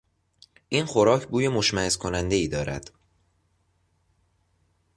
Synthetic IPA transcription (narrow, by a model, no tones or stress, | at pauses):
ʔiːnxo̞ɾɒːcʰbuːje̞mo̞ʃmæhezkʰo̞nænd̪eiːd̪ɒːɾæ̰d̪̥